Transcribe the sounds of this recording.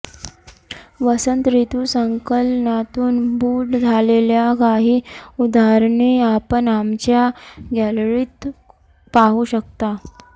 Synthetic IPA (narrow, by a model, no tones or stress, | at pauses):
ʋəsənt̪ɾit̪usəŋkəlnat̪uːnbʱuːʈd͡zʱaleljakaɦiːud̪ʱaɾɳeapəɳamt͡ɕjaɡɛlɭiːt̪ | paɦuɕək̚t̪a